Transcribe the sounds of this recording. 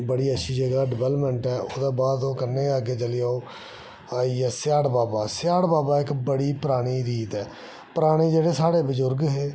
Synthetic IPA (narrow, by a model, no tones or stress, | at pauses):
bəɽiːətːʃʰiːd͡ʒəɡaːɖɪbɛləpməɳʈɛːooːd̪aːbaːd̪õːkəɾneːəɡeːt͡ʃəlɪjaːoː | aːiːɛːsɪjaːɽbaːbaːsɪjaːɽbaːbaːɪkbəɽiːpəɾaːɽ̃iːɾiːt̪ɛː | pəɾaːɽ̃iːd͡ʒeːɽeːsaːɽeːbəzʊɾɡɦeː